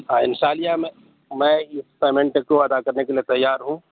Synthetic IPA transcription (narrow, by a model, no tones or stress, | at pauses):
ɦãːɪnsaːlijamẽ | mɛ̃ɪspeːmẽɳʈkoɐd̪akɐɾnekeliet̪ɐjːaːɾɦũ